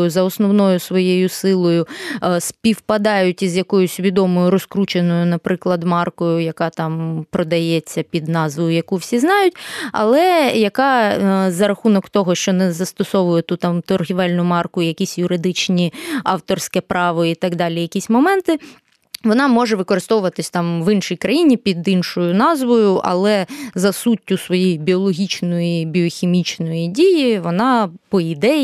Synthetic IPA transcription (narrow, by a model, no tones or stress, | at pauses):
jʊzɐɔsnɔwnɔjʊsʋɔjejʊsɪlˠɔjʊspʲiwpɐd̪ɑjʊtʲizjɐkɔjʊsʲʋʲid̪ɔmɔjʊɾɔskɾut͡ʃenɔjʊnɐpɾɪklˠɐd̪mɑrkɔjʊjɐkɑt̪ɑmpɾɔd̪ɐjɛt͡sʲːɐpʲid̪nɑzʋɔjʊjɐkuwsʲiznɑjʊtʲɐ̰lˠɛjɐkɑzɐɾɐxunɔkt̪ɔɦɔʃt͡ʃɔnɛzɐst̪ɔsɔʋʊjɛt̪ut̪ɑmt̪ɔrɦʲiʋɛlʲnʊmɑrkʊijɐkʲisʲjʊɾɪd̪ɪt͡ʃnʲiɑwt̪ɔrsʲkɛpɾɑʋɔit̪ɑɡd̪ɑlʲijɐkʲisʲmɔmɛnt̪ɪ | ʋɔnɑmɔʒɛʋɪkɔɾɪst̪ɔʋʊʋɐt̪ɪsʲt̪ɑmʋɪnʃijkɾɐjinʲipʲid̪inʃɔjʊnɑzʋɔjʊʔɐ̰lˠɛzɐsutʲːʊsʋɔjijbʲiɔlˠɔɦʲit͡ʃnɔjibʲiɔxʲimʲit͡ʃnɔjidʲijiʋɔnɑpɔid̪ɛ